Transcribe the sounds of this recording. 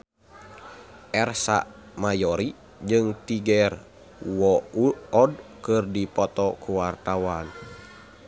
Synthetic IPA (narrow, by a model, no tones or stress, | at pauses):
ʔɛrsa̰ | majɔɾi | d͡ʒɨŋt̪iɡɛr | wɔuɔdkɨrdipɔt̪ɔkuwart̪awan